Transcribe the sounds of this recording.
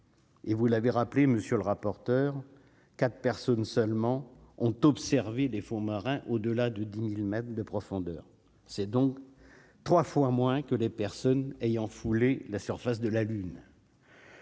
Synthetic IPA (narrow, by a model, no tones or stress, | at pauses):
evulaveʁapleməsjøləʁapɔʁt̪œʁ | kat̪χpɛʁsɔnsœlmɑ̃ɔ̃t̪ɔpsɛʁvelefɔ̃maʁɛ̃ʔod̪əlad̪əd̪imilmɛt̪χd̪əpχɔfɔ̃d̪œːʁ | sɛd̪ɔ̃k | t̪χwafwamwɛ̃kəlepɛʁsɔnejɑ̃fulelasyʁfas̬d̪əlalyn